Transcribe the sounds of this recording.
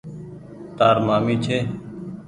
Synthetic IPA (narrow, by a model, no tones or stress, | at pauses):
t̪aːɾmaːmiːt͡ʃʰeː